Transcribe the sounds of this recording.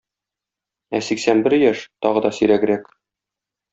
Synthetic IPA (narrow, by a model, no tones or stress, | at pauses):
æsiksænbɘɾjæʃt̪ɒʁɤ̆d̪ɒsɵ̆ɾæɡɘ̆ɾæk